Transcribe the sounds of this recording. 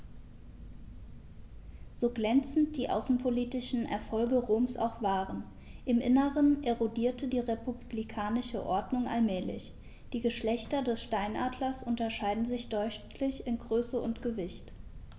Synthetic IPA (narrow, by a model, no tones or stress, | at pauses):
z̥oːɡlɛnt͡sn̩t̚d̥iːʔa̰ʊsn̩pʰoliːtɪʃn̩ʔɛ̰ɐfɔlɡəʁoːmsa̰ʊxv̥aːʁən | ʔɪmʔɪ̰nəʁənʔeʁodiːɐtədiːʁepublikʰaːnɪʃə̰ʔɔɐdnʊŋʔa̰lmɛːlɪ̰ç | d̥iːɡəʃlɛçtɐdɛsʃtaɪnʔaːdlɐsʔʊntɐʃaɪdn̩zɪçd̥ɔʏtʰlɪçɪnɡʁøːsəʊntɡ̥əvɪçt